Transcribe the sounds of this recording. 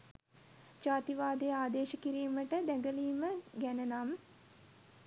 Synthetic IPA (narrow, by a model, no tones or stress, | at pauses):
d͡ʒaːt̪iʋaːd̪ejaːd̪eːʃəkiɾiːməʈəd̪æŋɡəliːməɡænənam